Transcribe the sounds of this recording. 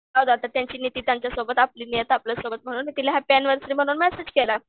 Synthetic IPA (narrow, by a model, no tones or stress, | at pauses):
awd̪oat̪at̪jaɲt͡ɕiːnit̪iːt̪jaɲt͡ɕjasobət̪apliːnijət̪apləsobət̪̚m̤əɽ̃uːnit̪ilaɦjapɛnʋəɾsɾiːm̤əɽ̃uːnmɛsed͡ʑkela